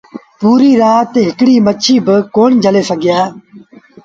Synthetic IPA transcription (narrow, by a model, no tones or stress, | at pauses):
puːɾiːɾaːt̪eɦɪkɽiːmət͡ʃʰiːbəkoːnd͡ʒʱəleːsəɡʱɪjaː